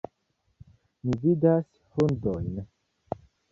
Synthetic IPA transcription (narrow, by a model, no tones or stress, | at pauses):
mividas | hundojn